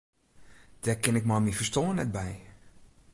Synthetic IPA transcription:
d̥ɛkɪnɪk̚mɔmifəstoːənɛt̚bɛj

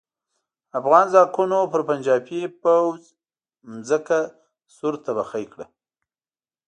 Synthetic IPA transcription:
afɣɑnzɑkunopəɾpand͡ʒɑpepawz | mzəka | suɾt̪abaxajkɽa

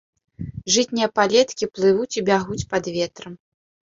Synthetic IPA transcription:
ʐɨtʲnʲijɐpalʲɛt̪kʲiplˠɨvut͡sʲibʲaɣut͡sʲpɐd̪vʲɛt̪ɾɐm

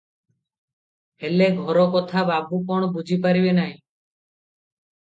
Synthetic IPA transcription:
eleɡʱɔɾɔkɔt̪ʰababukɔɳbud͡ʒʱipaɾibenaɦĩ

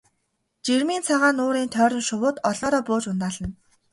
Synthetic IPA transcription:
t͡ɕermiːnt͡sʰaʁaːnʊːɾiːnt̪ʰœːɾʲɞ̆nʃʊwʊːt̪ɔɮɔːɾɔːpʊːt͡ɕʊnt̪aːɮə̆n

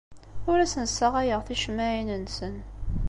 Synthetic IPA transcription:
ʊɾæsənsːəʁæjəʁθiʃmæʕinənsən

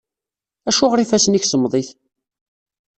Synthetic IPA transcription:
æʃʊʁɾifæsniçsəmðˤiθ

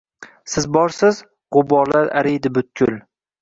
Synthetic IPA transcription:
sɪzbɒɾsɪz | ʁʊbɒɾlaɾa̰ɾɪjd̪ɪbʊt̪̚kʰʲʊl

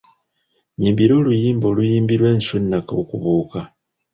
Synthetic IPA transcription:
ɲiːmbiɾo̞ːlujiːmbo̞lujiːmbiɾwe̞ːnsunːakaokuβuːka

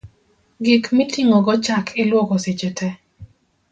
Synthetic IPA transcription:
ɡikmitiŋɔɡɔt͡ʃakʰɪlwɔkɔset͡ʃetʰɛ

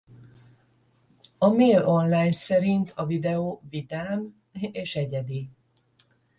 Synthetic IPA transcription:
ɒmeːlo̞nlaːjnsɛɾint̪ʰɒvid̪ɛoːvid̪aːm | eːʃɛɟɛd̪i

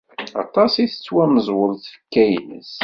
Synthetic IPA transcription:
ɑ̰t̪ˤɑsiθə̥t͡sːwæməzˤwəɾˤθfə̥kːæjnə̰s

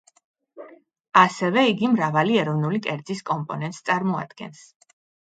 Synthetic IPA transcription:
asɛvɛiɡimɾavaliɛɾɔvnulikʼɛɾd̪zʼiskʼɔmpʼɔnɛnt̪ʼst̪sʼaɾmɔa̰d̪̥ɡ̥ɛ̰ns

